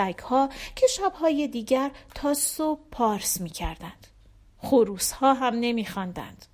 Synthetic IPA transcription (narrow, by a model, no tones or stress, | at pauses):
æɡhɒːcʰe̞ʃæbhɒːje̞d̪iːɟæɾt̪ʰɒːsob̚pʰɒːɾsmiːcʰæɾd̪ænd̪̥ | χoɾuːshɒːɦæmne̞miːxɒnd̪æ̰nd̪̥